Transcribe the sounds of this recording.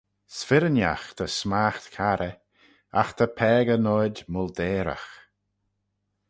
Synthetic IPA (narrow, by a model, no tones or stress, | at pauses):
sfɪɾəna̰xt̪ʰəsmaːxt̪kʰaɾə | axt̪ʰəpʰɛːɡənɔdʲmʊld̪eːɾa̰x